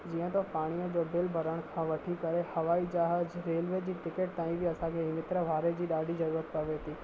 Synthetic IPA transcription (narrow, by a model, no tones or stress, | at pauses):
d͡ʑiːə̃t̪opaːɽ̃ijəd͡ʑoːbɪlbʱɐɾəɽ̃kʰãʋɐʈʰikɐɾehɐʋaːid͡ʑaːɦəd͡ʑɾeːlʋed͡ʑiːʈɪkeʈ̚t̪aːĩbʱiɐsãkʰeɦɪmɪt̪ɾəʋʱaːɾed͡ʑiːɗaːɖʱizɐɾuːɾət̪̚pɐʋet̪iː